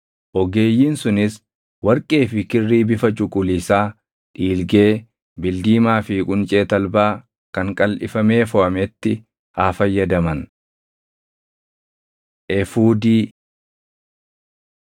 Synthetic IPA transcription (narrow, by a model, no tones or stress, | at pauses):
ʔɔɡe̞ːjːinsʊnɪs | wɐɾkʼe̞ːfɪkɪrːiːbɪfɐt͡ʃʼʊkʼʊliːsaː | ᶑiːlɡeː | bɪld̪iːmaːfikʼʊnt͡ʃʼeːt̪ɐlbaː | kɐŋkʼɐlʔɪ̰fɐme̞ːfɔʔɐmɛt̪ːɪ | haːfɐjːɐd̪ɐmɐn | ʔɛfuːd̪iː